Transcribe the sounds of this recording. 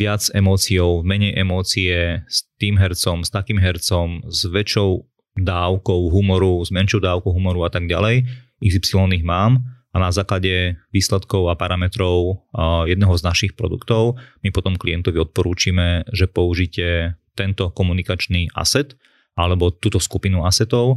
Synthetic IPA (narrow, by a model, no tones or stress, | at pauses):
ʋɪad͡zɛmɔːt͡siɔʊvmɛɲɛjʔɛmɔːt͡siɛst̪iːmɦɛɾt͡sɔmst̪akiːmɦɛɾt͡sɔmzʋɛt͡ʃɔʊ | d̪aːʊkɔʊɦumɔɾuzmɛnʃjɔʊd̪aːʊkɔʊɦumɔɾuat̪aɡɟa̰lɛj | izipsilɔniːɣmaːmanazaːklaɟɛʋiːslɛt̪kɔʊapaɾamɛt̪ɾɔʊjɛd̪nɛɦɔznaʃixpɾɔ̰d̪ṵkt̪ɔʊmipɔt̪ɔmkliɛnt̪ɔʋiɔt̪̚pɔɾuːt͡ʃiːmɛʒɛpɔuʒiːcɛt̪ɛnt̪ɔkɔmunikat͡ʃniʔa̰sɛt̪ | ʔalɛbɔt̪uːt̪ɔskupinuasɛt̪ɔʊ